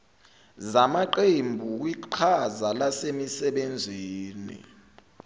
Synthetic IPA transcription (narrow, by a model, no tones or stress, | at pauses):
zamaǃembʱuk̬wiǃʰazalasemisɛɓend͡zʱiːnḭ